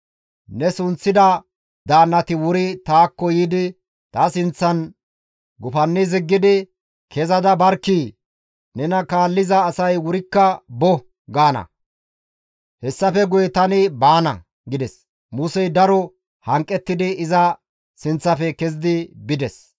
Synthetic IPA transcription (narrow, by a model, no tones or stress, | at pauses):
nɛsʊnt͡sːɪd̪ɐ | d̪aːnːɐt̪ɪwʊɾɪt̪aːkːɔjiːd̪ɪ | t̪aːsɪnt͡sːɐn | ɡʊfɐnːɪzɪɡːɪd̪ɪ | kɛzɐd̪ɐbɐɾkːi | nɛnɐkaːlːɪzɐːsɐjwʊɾɪkːɐbɔ | ɡaːnɐ̰ | hɛsːɐfɛɡʊjɛt̪ɐnɪbaːnɐ̰ | ɡɪd̪ɛs | mʊsɛjd̪ɐɾɔ | hɐŋkʼːɛt̪ːɪd̪ɪɪzɐ | sɪnt͡sːɐfɛkɛzɪd̪ɪbɪd̪ɛs